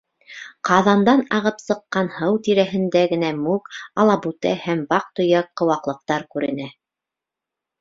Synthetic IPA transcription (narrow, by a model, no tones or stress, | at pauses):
qɑðɑnd̪ɑnɑʁɤpsɤ̆qːɑnhɤwt̪iɾæɦɘ̆nd̪æɡɘ̆næmʉkɑlˠɑbʉt̪æhæmbɑq̚t̪ŏjɑkːɤ̆wɑqlˠɤ̆q̚t̪ɑɾkʉɾɘ̆næ